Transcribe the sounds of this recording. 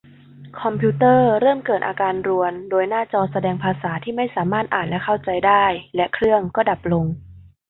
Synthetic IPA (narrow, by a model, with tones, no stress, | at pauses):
kʰɔ˧mpʰuː˦˥t̪ɤː˥˩ɾɤː˥˩mkɤː˨˩t̪̚ʔa̰ː˧kaː˧nɾu˧əndoː˧jnaː˥˩t͡ɕɔː˧sa˧dɛː˧ŋpʰaː˧saː˩˦t̪ʰiː˥˩ma˥˩jsaː˩˦maː˥˩t̪̚ʔaː˨˩nlɛ˦˥kʰa˥˩wt͡ɕa˧jdaː˥˩jlɛ˦˥kʰɾɯ˥˩əŋkɔː˥˩da˨˩p̚lo˧ŋ